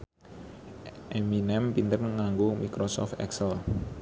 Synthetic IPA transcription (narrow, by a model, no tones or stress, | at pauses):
ʔeminɛmpint̪ənŋaŋɡomikɾosɔ̰ft̪ɛ̰ksəl